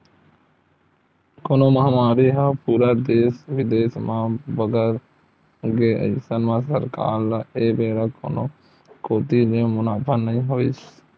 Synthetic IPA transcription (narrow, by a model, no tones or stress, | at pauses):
koːnõmɐɦamaːɾiɦəpuːɾad̪eːsʋɪd̪eːsmãbəɡəɾ | ɡeə̰jsənmãsəɾka̰ːɾeːbeːɾako̰ːno̰ | koːt̪ilemʊnaːpʰənnːəɦĩɦoːis